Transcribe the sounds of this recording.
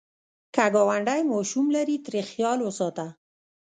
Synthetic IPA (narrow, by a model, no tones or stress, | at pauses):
kaɡɑwaɳɖajmɑʃumlaɾit̪ɾexjɑlwəsɑt̪a